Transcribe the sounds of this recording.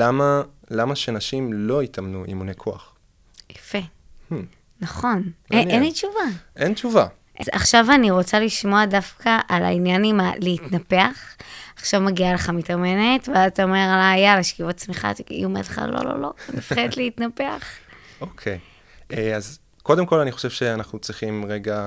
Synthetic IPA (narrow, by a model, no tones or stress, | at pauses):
lamalamaʃenaʃimlo̞itamnuḭmunekʰoaχ | jḁfe̞ | h | naχo̞neenlit͡ʃuvaʔent͡ʃuva | ʔea̰χʃavaniʁo̞t͡saliʃmo̞adafkaʔala̰injanimaleitnape̞aχaχʃavmaɡialeχamitamenetveataome̞ʁalajalaʃkivat͡smiχa̰tḭomedleχa̰lo̰lo̞̰lo̞̰mifχedet̪leitnapeaχokʰej | eaz | ko̞demko̞laniχo̞ʃevʃeanaχnut͡sʁiχimʁeɡa